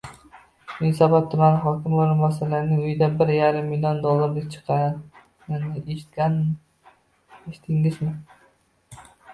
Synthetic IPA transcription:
mɪnsabɒt̪ʰːʊmanɪɦɒkʲɪmoɾɪmbɒsalaɾɪnɪʊjd̪abɪɾjaɾɪmːilʲijond̪olˠːaɾlɪk̚ʲt͡ʃʰɨ̥qʰɑ | ɪnɪeʃt̪ʲan | eʃɪ̥t̪ʰɪŋɪzmɪ

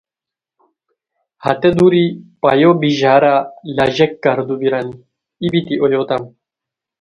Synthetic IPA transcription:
hɐt̪ed̪uɾipajobiʑaːɾalɐʑekːɐɾd̪ubiɾan | ibit̪iʔoloːt̪am

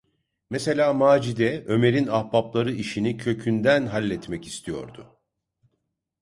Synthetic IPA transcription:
mese̞lʲaːmaːd͡ʒid̪ɛø̞me̞ɾinahbaplˠaɾɯiʃinicʰø̞cʰynd̪ænɦalʲːɛt̪mɛci̥st̪ʰijo̞̰ɾd̪ʊ

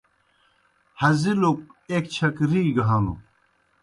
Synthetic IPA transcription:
hɐziluk̚ek̚t͡ɕʰɐkɾiːɡɐɦaːnṵ

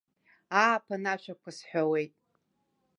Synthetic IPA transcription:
aːpʰanaʃʷʰᶣakʷʰasħʷᶣawe̞jtʼ

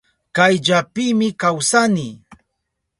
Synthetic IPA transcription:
kajʎapiːmɪkawsani

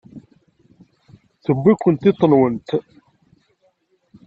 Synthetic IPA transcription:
θəbːikʷːənt̪ɪt̪ˤːənwənt̪

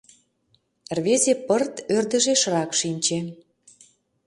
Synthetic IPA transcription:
rβezepərt̪ørd̪ə̆ʒeʃrɑkʃinʲt͡ɕe

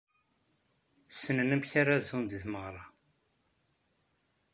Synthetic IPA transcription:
sənənəmçaɾazund̪θməʁɾˤɑ

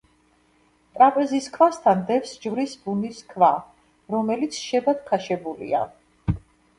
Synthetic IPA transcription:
t̪ʼɾapʼɛziskʰvast̪ʰand̪ɛfsd͡ʒvɾisbuniskʰva | ɾɔmɛlit̪sʰʃɛbad̪̥̚kʰaʃɛbulḭa̰

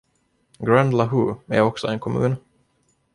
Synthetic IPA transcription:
ɡɾand̪laɦuːæ̰ɾɔksɔɛnkʰɔmʉ̰ːn

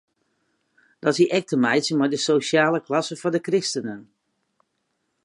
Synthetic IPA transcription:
d̥ɑsiʔɛk̚təmɛjtsəmaɹdəsosjaːləklɑsəvɔndəkrɪstənən

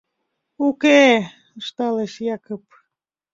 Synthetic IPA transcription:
uke | əʃt̪ɑleʃjɑkop̚

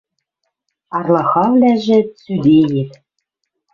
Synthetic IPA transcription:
ɑrlˠɑxɑvlæʒɘ̆t͡syd̪ejit

